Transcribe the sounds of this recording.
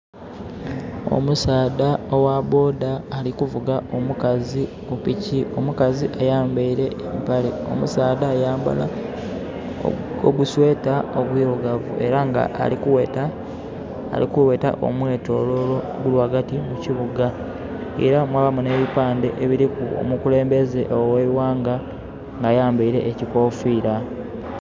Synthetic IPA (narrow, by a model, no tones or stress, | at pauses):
o̰musaːdaowabo̞ːdaːlikuvuɡao̞mukazi | opicio̞mukaziʔajaːmbaiɾe̞empaleo̞̰musaːdaːjaːmba̰la | o̰ɡuswe̞ːtaoβwiːɾoɡavṵʔe̞ɾaŋɡa̰ʔːik | likuwe̞ːta̰ʔo̞̰mwe̞ːto̞lolo | ɡulwaːɡatimuciβuɡa | ḛɾamwaːβamune̞ːβipaːnde̞ʔeβiɾikuo̰mukule̞ːmbe̞ze̞ʔowewaːŋɡa | ŋɡajaːmbaiɾe̞̰ʔːciko̞ːfiːɾa